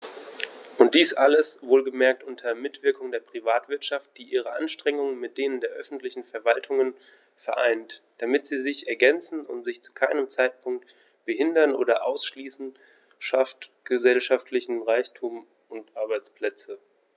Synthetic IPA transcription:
ʔʊntd̥iːsʔaləsvoːlɡəmɛɐk̚tʔʊntʰɐmɪtv̥ɪɐkʊŋdeːɐpʁ̥ivaːtv̥ɪɐtʃaft̚d̥iːʔiːʁ̞əʔa̰nʃtʁ̥ɛŋʊŋənmɪt̚d̥eːnəndeːɐʔœfn̩tlɪçn̩fɛɐvaltʰʊŋən | fɛɐʔa̰ɪntd̥amɪtz̥iːzɪçɛɐɡɛnt͡sn̩ʊ̰ntz̥ɪçt͡su̥kʰaɪnəmt͡saɪt̚pʰʊŋk̚t | b̥əhɪndɐnʔo̰ːdɐʔa̰ʊsʃliːsn̩ | ʃaftɡ̥əzɛlʃaftʰlɪçn̩ʁaɪçtʰuːm | ʊntʔaɐbaɪt͡spl̥ɛt͡sə

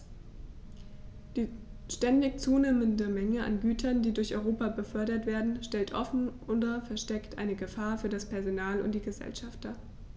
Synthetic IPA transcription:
d̥iːʃtɛndɪçt͡suːneːməndəmɛŋəa̰nɡyːtʰɐndiːdʊɐçʔɔʏʁoːpabəfœɐɾɐtv̥eːɐdn̩ʃtɛltʔɔfn̩ʔʊndɐfɛɐʃtɛktʔa̰ɪnəɡəfaːɐfyːɐdaspʰɛɐzonaːlʊ̰ntd̥iːɡəzɛ̰lʃaft̚d̥a

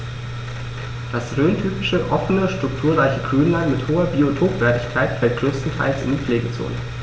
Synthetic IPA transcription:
d̥asʁøːntʰyːpɪʃəʔɔfənəʃtʁ̥ʊk̚tʰuːɐʁaɪçəɡʁyːnlaɪnmɪthoːɐbiotʰoːpv̥ɛːɐtɪçkʰaɪtfɛlt̚ɡ̥ʁøːstn̩tʰa̰ɪlsɪ̰ndiːp͡fleːɡət͡so̰ːnə̰

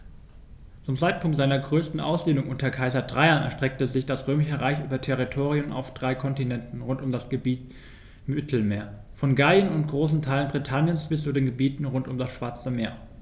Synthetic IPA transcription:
t͡sʊmt͡saɪt̚pʰʊŋktz̥aɪnɐɡʁøːstn̩ʔa̰ʊsd̥eːnʊŋʔʊntɐkʰaɪzɐdʁaɪɐnɛɐʃtʁ̥ɛk̚təzɪçd̥asʁøːmɪʃəʁaɪçʔy̰ːbɐtʰɛʁ̞itʰoːʁ̞iʊmʔa̰ʊfd̥ʁaɪkʰɔntinɛntn̩ʁʊntʊmdasɡ̥əbiːt | mɪtʰl̩meːɐ | fɔnɡaənʊnt̚ɡ̥ʁoːsn̩tʰaɪlənbʁitʰanjənsb̥ɪst͡sudeːnɡəbiːtn̩ʁʊntʊmdasʃv̥aɐt͡səmeːɐ

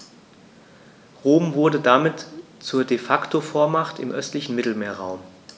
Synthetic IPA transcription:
ʁoːmvʊɐdədamɪtt͡suːɐdefaktʰofoːɐmaχtɪ̰mʔœstlɪçn̩mɪtl̩meːɐʁaʊm

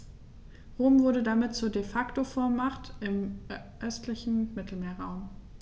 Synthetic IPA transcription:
ʁoːmvʊɐɾədamɪt̚t͡suːɐdefaktofɔɐmaχtɪmʔœstʰlɪçn̩mɪtl̩meːɐʁaʊm

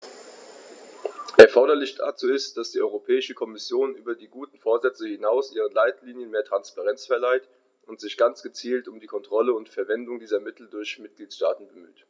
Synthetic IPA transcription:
ʔɛɐfɔɐɾɐlɪçd̥a̰ːt͡suːɪstd̥asd̥iːʔɔʏʁopʰɛːɪʃəkʰɔmɪsjoːnʔyːbɐdiːɡuːtn̩foːɐzɛt͡səhɪnaʊsʔiːʁ̞ənlaɪtliːnjənmeːɐtʁ̥anspaʁɛnt͡sfɛɐlaɪt | ʔʊntz̥ɪçɡ̥ant͡sɡ̥ət͡siːltʊmdiːkʰɔntʁ̥ɔləʊntfɛɐvɛndʊŋdiːzɐmɪtl̩dʊɐçmɪt̚ɡ̥liːtʃtaːtn̩bəmy̰ːt

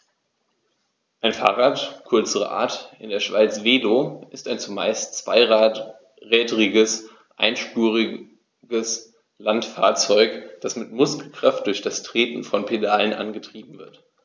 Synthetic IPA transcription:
ʔaɪnfa̰ːʁaːtkʰʏɐt͡səʁə̰ʔa̰ːɐtʔɪndeːɐʃv̥aɪt͡sv̥eːloʔɪstaɪnt͡suma̰ɪstt͡sv̥a̰ɪ | ʁɛːdʁɪɡəs | ʔa̰ɪnʃpuːʁɪ | ɡəs | lantfa̰ːɐt͡sɔʏkd̥asmɪtmʊskl̩kʁ̥aft̚d̥ʊɐçd̥astʁ̥eːtn̩fɔnpʰedaːlənʔa̰nɡətʁ̥iːbm̩vɪɐt

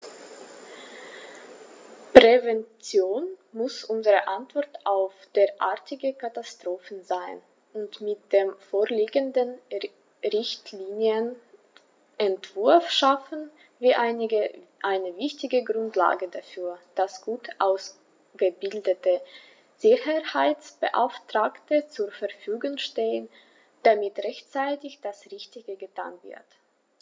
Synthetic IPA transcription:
pʁ̥ɛvɛnt͡sjoːnmʊsʔʊnzəʁəʔantv̥ɔɐtʔaʊfd̥eːɐʔa̰ɐtʰɪɡəkʰatastʁ̥oːfn̩zaɪn | ʔʊntmɪt̚d̥eːmfoːɐliːɡəndən | ʁɪçtʰliːnjən | ʔɛntv̥ʊɐfʃafn̩ | viːʔaɪnɪəʔaɪnəvɪçtɪɡəɡʁʊntla̰ːɡədafyːɐd̥asɡ̥uːtʔaʊs | ɡ̥əbɪldətə | z̥ɪçɐhaɪt͡sb̥ə̰ʔa̰ʊftʁ̥aːktət͡suɐfɛɐfyːɡʊŋʃteːən | d̥amɪtʁɛçt͡saɪtɪçd̥asʁɪçtɪɡəɡətʰa̰ːnvɪ̰ɐt

